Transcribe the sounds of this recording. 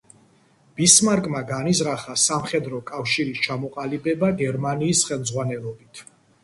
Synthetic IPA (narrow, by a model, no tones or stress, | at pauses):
b̥ismaɾkʼmaɡanizɾaχasamχɛd̪ɾɔkʼafʃiɾist͡ʃʰamɔqʼalibɛbaɡɛɾmaniːsχɛlˠmzʁwanɛlˠɔbit̪ʰ